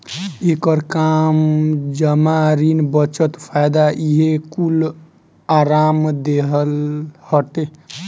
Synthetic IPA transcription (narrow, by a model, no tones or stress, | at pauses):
ekəɾkamd͡ʒəmaɾinbət͡ʃət̪pʰajd̪aʔiɦekul | aɾamd̪eɦəlhəʈe